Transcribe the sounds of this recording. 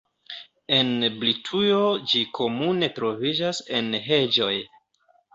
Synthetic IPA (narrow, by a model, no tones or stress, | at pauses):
e̞nblitʰujod͡ʒikʰo̞mune̞tɾo̞vid͡ʒase̞nɦe̞d͡ʒo̞j